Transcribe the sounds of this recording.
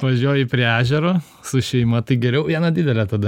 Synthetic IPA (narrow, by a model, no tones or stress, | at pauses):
ʋɐʒʲuɔjɪpʲɾʲiːæːʒʲɛɾoː | sʊʃʲɛɪmɐt̪ɐɪɡʲɛɾʲɛʊʋʲiɛnɐdʲɪd̪ʲɛlʲɛt̪ɐd̪ɐ